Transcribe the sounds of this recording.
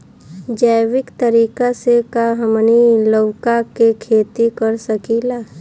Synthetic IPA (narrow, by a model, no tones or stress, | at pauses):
d͡ʒəːʋɪkt̪əɾiːkasekaɦɐmniləkakekʰeːt̪ikəɾsəkilaː